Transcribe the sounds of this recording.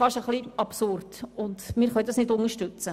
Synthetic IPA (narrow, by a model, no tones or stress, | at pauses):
fɑʃəχliɑpsʊrd̥ʊnd̪mɪːɾχœɥdɑsnɪdʊnəʃtʉt͡sə